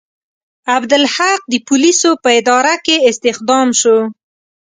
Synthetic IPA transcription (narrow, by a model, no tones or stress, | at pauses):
abd̪ɪlhaq̚d̪əpʊlisopəɪd̪ɑɾakeɪst̪ɪxd̪ɑmʃo